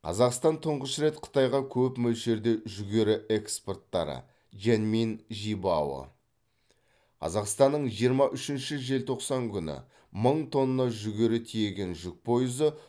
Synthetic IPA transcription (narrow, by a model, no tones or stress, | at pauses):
qʰɑ̰zɑqst̪ɑnt̪ʰʊɴʁəʃɾe̞t̪qʰə̥t̪ɑjʁɑkʲʰɵpmɵlʃe̞ɾd̪e̞ʒʏɡʲe̞ɾɪʔe̞kspo̞rt̪ːɑ̰ɾə̰ | ʒenminʒibɑwə̰ | qʰɑ̰zɑqst̪ɑnːəɴʒijəɾmɑʔʏʃɪnʃɪʒe̞lt̪ʰo̞qsɑŋkʲʰʏnɪ̰ | məɴt̪ʰo̞nənɑʒʏɡʲe̞ɾɪt̪ʰije̞ɡʲe̞nʒʏk̚pʰo̞jəzə